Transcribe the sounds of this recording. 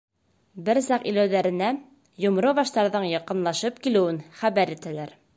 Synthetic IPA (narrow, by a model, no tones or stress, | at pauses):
bɘɾsɑqḭlæwðæɾɘ̆næ | jŏmɾɤβɑʃt̪ɑɾðɤɴjɑqɤ̆nlˠɑʃɤp̚kilɘ̆wɘnχæβæɾit̪ælæɾ